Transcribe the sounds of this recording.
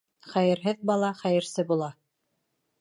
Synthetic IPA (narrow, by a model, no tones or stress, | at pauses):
χæjɘ̆ɾɦɘðbɑlˠɑχæjɘ̆ɾsɘbulˠɑ